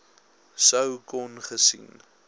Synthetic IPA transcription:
səwkɔnχəsḭn

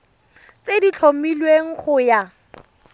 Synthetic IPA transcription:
t͡sedit͡ɬʰomilweŋ̩χʊja

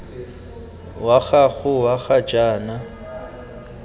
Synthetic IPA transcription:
waɣaɣʊwaɣat͡ʃʼaːna

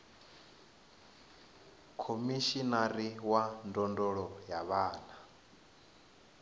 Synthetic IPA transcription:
kʰomiʃinaɾiwandɔndɔɺɔjaβaːna

